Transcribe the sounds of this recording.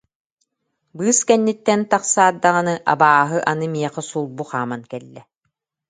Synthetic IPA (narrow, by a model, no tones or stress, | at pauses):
bɯːskɛnːit̪ːɛnt̪aqsaːd̪ːaʁɯnɯʔa̰baːɦɯʔanɯmiɛqɛsulˠbuχaːmankɛlːɛ